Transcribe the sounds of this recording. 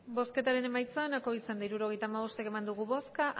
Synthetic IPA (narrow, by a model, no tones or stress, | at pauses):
bo̞ske̞t̪aɾe̞ne̞majt͡saenako̞isand̪aiɾuɾo̞ɣe̞jt̪aːmaβ̞o̞st̪eke̞mand̪uɣuβo̞skaʔ